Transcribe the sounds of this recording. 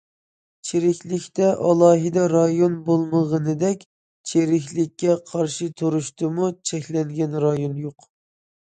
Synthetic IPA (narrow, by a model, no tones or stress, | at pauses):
t͡ʃʰeɾɪkʲlɪkʲt̪ɛʔɑlˠɑːɦɨd̪ɛɾɑjonbolˠməʁənɨd̪ɛkʲ | t͡ʃʰeɾɪkʲlɪkʲːɛqʰɑɾʃit̪ʰuɾuʃt̪ɨmut͡ʃʰɛkʲlɛŋɡʲɛnɾɑjonjoq